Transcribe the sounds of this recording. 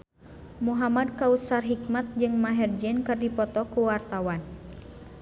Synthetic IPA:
muɦamad̚kausarɦik̚mat̪̚d͡ʒɨŋmaɦɛrd͡ʒɛnkɨrdipɔt̪ɔkuwart̪awan

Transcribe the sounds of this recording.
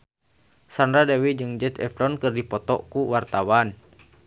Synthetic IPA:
sandɾadɛwid͡ʒɨŋd͡ʒɛt̪ɛ̰fɾɔnkɨrdipɔt̪ɔ̰kuwart̪awan

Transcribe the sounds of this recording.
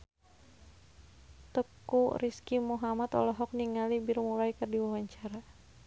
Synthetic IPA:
t̪əkuriskimuɦamat̪ɔ̰lɔɦɔk̚niŋalibirmulajkərdiwawaɲt͡ʃaɾa

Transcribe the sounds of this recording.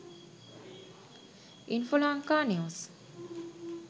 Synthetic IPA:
infolãŋkaːnius

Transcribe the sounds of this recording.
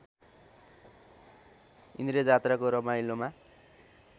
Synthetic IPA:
ḭnd̪ɾed͡zat̪rakoɾʌmajloma

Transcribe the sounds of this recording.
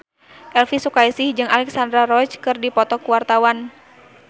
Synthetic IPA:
ʔɛlfisukaisɪhd͡ʒɨŋalɛksandɾaɾɔt͡ʃkɨrdipɔt̪ɔkuwart̪awan

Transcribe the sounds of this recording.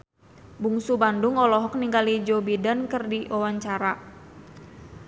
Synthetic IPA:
buŋsubandʊŋɔlɔɦɔk̚niŋɡalid͡ʒobidankərdiʔɔwaɲt͡ʃaɾa

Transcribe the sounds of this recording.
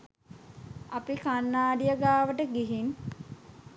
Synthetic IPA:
apikanːaːɖijəɡaːʋəʈəɡiɦin

